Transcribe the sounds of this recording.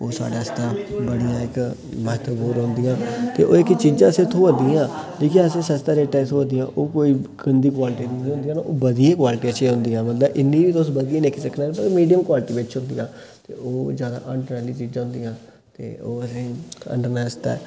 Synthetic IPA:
oːsa̰ːɖaːɪst̪ãːbəɽijãːɪk | mət̪boːɾɦʊ̃nd̪ijãːt̪eːʔoːɪkt͡ʃiːd͡ʒãːəsẽːt̪ʰːõːʋəd̪iãːliːkiəsẽːsəst̪aːɾeːʈaːsʰoːəd̪ijãːʔoːkoːiːkənd̪iːkwaːlɪʈid̪iĩɦʊ̃nd̪ijãːnaːʔoːbəd̪ijẽːkwaːlɪʈiːat͡ʃeːɦʊ̃nd̪iːãːmət̪ləbɪnːĩːbiːt̪osbəd̪ijeːnekisəkʰːnaːt̪əmiːɖijəmkwaːlɪʈiːbɪʈt͡ʃɦʊ̃nd̪iːãː | t̪ḛːoːd͡ʒjaːd̪a̰ːʔəɳɖnaːliːt͡ʃiːd͡ʒãːɦʊ̃nd̪iːãː | t̪ḛːoːəsĩːə̰ɳɖənaːst̪a̰ɛ̰

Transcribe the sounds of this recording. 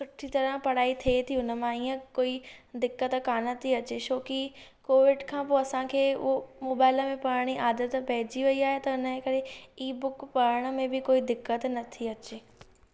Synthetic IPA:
sʊʈʰit̪ɐɾəpɐɽ̤aːit̪ʰiet̪ʰiʊnə̆mãiːə̃koːid̪ɪkːət̪kaːnət̪ʰiɐt͡ɕet͡ɕoːkikoːʋɪɖkʰãːpoːɐsãkʰeːʊ̰ɦomoːbaːɪləmẽpɐɾəɽ̃iʔaːd̪ət̪pɐɦɪd͡ʑiʋɐiaːɦet̪ɐʊnəekɐɽeiːbʊkpɐɾəɽ̃ə̆mẽbɪkoːid̪ɪkːət̪nɐt̪ʰiɐt͡ɕeː

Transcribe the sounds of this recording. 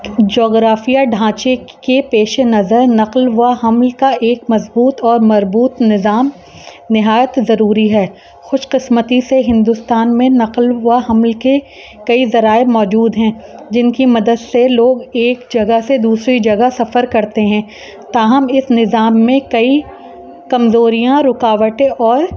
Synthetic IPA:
d͡ʒɔːɡɾaːfijaɖʱãːt͡ʃekepeːʃenɐzəɾnɐqlʋahɐmlkaʔeːkmɐzbuːt̪ɔːɾmɐzbuːt̪nɪzaːm | nɪɦaːjət̪zɐɾuːɾiɦɛː | xʊʃqɪsmət̪iseɦɪ̃nd̪ʊst̪aːnmẽnɐqlʋaɦɐmlke | kɐizɐɾaːemɔːd͡ʒuːd̪ɦɛ̃ːd͡ʒɪnkimɐd̪əd̪seloːɡeːkd͡ʒɐɡased̪uːsɾid͡ʒɐɡasɐfəɾkɐɾt̪eɦɛ̃ː | t̪aːɦɐmɪsnɪzaːmːẽkɐi | kɐmzoːɾijãɾʊkaːʋəʈẽʔɔːɾ

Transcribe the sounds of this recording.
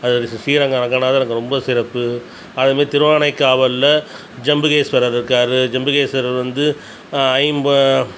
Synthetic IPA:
ɐðɯɾɪssiːɾɐŋɡɐɾɐŋɡanaːðɐnɐŋɡɐɾɔmbɐsɪɾɐpːɯ | ɐðɐmeːt̪ɪɾɯʋaːnɐɪkːaːʋɐlːɐ | d͡ʒɐmbɯɣeːsʋɐɾɐɾɪɾɯkːaːɾɯd͡ʒɐmbɯɣeːsɐɾɐʋɐnd̪ɯ | ɐɪmbɐ

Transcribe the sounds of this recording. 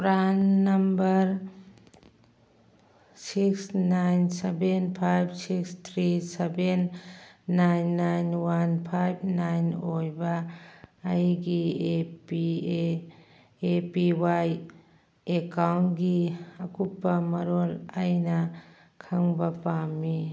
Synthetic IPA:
pɾanːɐmbɐɾ | siksnajnsebenpʰajb̚sikst̪ʰɾisebenː | ajnːajnwanpʰajb̚ʰnajnojbɐː | jɡiepi | epiwaj | ekawntɡiɐkupːɐmɐɾolajnɐ | kʰaŋbɐpami

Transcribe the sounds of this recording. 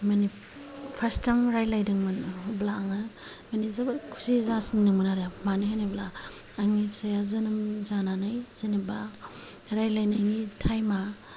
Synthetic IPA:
mani | pʰastaŋɾajlajdɯŋmɯnblaːŋa | manizabkʰu̥sizasiŋnɯŋmɯnaɾemanɯɦanablaː | ŋipsajazɯnɯmzananajziniba | ɾajlajnajnitʰajma

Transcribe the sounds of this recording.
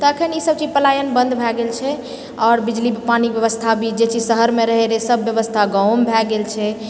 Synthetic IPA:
t̪ɔəkʰənisəb̚t͡ʃid͡ʒpəlajənbə̃nd̪bʱɛɡelt͡ʃʰɛ | ɔːɾbid͡ʒlipanibjəʋəst̪ʰabʱid͡ʒet͡ʃid͡ʒsəɦəɾmẽɾəɦeɾesəbːjəʋəst̪ʰaɡãwmbʱɛɡelt͡ʃʰɛ

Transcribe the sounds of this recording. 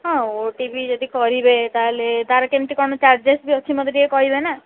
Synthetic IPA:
ɦɔ̃oʈibʱid͡ʒod̪ikɔɾibet̪aɦelet̪aɾɔkemʈ̪ikɔɳɔt͡ʃaɾd͡ʒesbiot͡ʃʰimɔd̪ɾiekɔɦibena

